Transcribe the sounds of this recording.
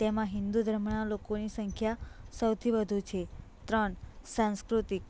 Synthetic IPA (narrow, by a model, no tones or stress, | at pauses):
t̪emãɦɪnd̪ud̪ʱɾəmɳalokonisəŋkʰjasəwt̪ʰiʋəd̪ʱut͡ʃʰet̪ɾəɳsãnskɾut̪ik̚